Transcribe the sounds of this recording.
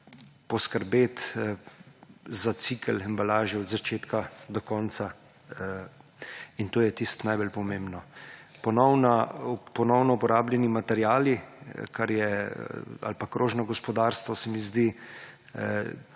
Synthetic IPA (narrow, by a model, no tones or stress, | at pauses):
pɔskəɾbeːt̪ | zat̪sikəlɛmbalaːʒɛɔd̪zat͡ʃeːt̪kad̪ɔkɔːnsa | int̪oːjɛt̪ist̪najbəlpɔmembnɔpɔnɔwnapɔnɔwnɔupɔɾaːblʲjɛnimat̪ɛɾjaːlikaɾjɛ | a̰lpakɾʔoːʒnɔɡɔspɔd̪aːɾst̪ʋɔsɛmizd̪i